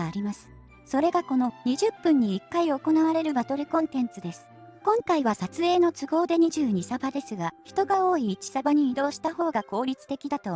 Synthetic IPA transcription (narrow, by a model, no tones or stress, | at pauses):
ɾʲimasɨ̥ | so̞ɾe̞ɡako̞no̞ɲ̟iʑɨpːɯ̟̃ɲ̟ːiːkːaio̞ko̞naβaɾe̞ɾɯ̟bat̪o̞ɾekõ̞nt̪ẽ̞nt͡sɨd̪e̞sɨ̥ | kõ̞ŋkaiβasat͡sɨe̞ːno̞t͡sɨɡo̞ːd̪e̞ɲ̟iʑɨːɲ̟isabad̪e̞sɨɡaçi̥t̪o̞ɡao̞ːiːt͡ɕi̥sabaɲ̟iːd̪o̞ːɕi̥t̪aho̞ːɡako̞ːɾʲit͡sɨ̥t̪e̞kʲid̪at̪o̞